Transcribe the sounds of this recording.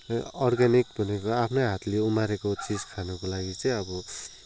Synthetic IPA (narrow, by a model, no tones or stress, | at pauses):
ʌrɡanik̚bʱʌnekoapʰnʌjɦat̪leumaɾekot͡sid͡zkʰanʌkolaɡit͡sʌ̃j̃ʌbʌ